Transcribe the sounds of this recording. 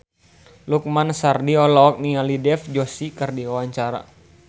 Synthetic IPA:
luk̚mansardiɔlɔɔk̚nialidɛfd͡ʒɔsikərdiwawaɲt͡ʃaɾa̰

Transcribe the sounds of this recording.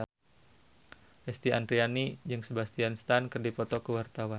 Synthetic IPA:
ʔɛst̪iʔand̪ɾianid͡ʒɨŋsəbast̪ianst̪ankərdipɔt̪ɔkəwart̪awan

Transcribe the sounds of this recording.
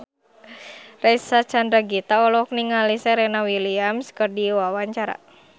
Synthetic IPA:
raisat͡ʃandɾaɡit̪aɔlɔk̚niŋalisɛɾɛnawiliamskərdiwawaɲt͡ʃaɾa̰

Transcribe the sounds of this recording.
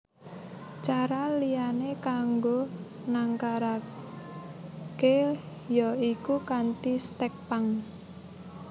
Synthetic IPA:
t͡ʃaɾalijanekaŋɡo | naŋkaɾa | ke | jɔikukant̪ist̪ɛk̚paŋ

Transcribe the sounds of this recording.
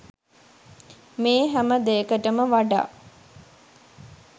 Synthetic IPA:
meːɦæməd̪ejəkəʈəməʋaɖa̰ː

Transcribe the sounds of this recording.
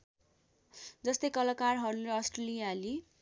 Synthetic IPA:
d͡zʌst̪ʌjkʌlakarɦʌɾuleʌsʈrʌlijali

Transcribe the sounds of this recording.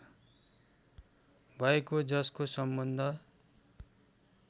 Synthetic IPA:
bʱʌekod͡zʌskosʌmbʌnd̪ʱʌ

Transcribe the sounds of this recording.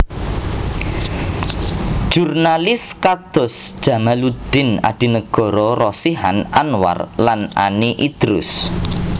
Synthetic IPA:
ʒ̥urnalɪskad̪̥ɔ̤sd̥ʒ̥ä̤malud̪̥ɪ̤na̰d̪̥i̤nəɡ̥ɔ̤ɾɔrɔsiha̰nanwa̰rlana̰niʔid̪̥ɾʊ̰s

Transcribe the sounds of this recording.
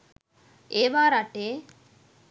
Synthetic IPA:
eːʋaːɾaʈeː

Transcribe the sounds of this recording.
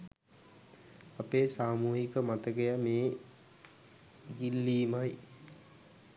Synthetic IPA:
apeːsaːmuːɦikəmat̪əɡejameː | ɡilːiːmaj

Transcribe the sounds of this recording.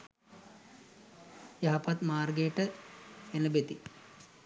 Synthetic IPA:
jɐɦapat̪maːrɡejʈəenəbet̪i

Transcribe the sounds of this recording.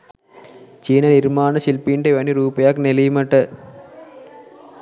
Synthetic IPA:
t͡ʃiːnɐniɾmaːɳɐsilpiɳɖeʋɐɳːiɾuːpɐjaːkːnelɐjumɐʈːɐ

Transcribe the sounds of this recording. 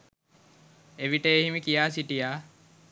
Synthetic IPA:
eʋiʈəeɦimikijaːsiʈijaː

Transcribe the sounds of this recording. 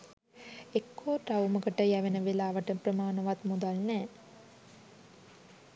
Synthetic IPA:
ekʰːoːʈawməkəʈəjæʋenəʋilaːʋəʈəprəmaːnəʋat̪mud̪alnɛː

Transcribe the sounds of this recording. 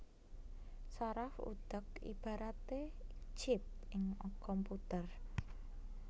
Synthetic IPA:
saɾafṵd̪̥ə̤kḭb̥a̤ɾat̪e̥t͡ʃɪp̚ɪŋɔkɔmput̪ər

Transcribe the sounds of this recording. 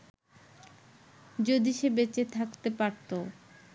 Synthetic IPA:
d͡ʑod̪iʃebet͡ɕet̪ʰakt̪epaɾt̪o

